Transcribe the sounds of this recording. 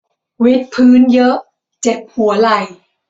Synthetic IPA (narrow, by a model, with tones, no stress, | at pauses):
wi˦˥t̪̚pʰɯː˦˥njɤ˦˥ʔ | t͡ɕe˨˩p̚hu˩˦ɐla˨˩j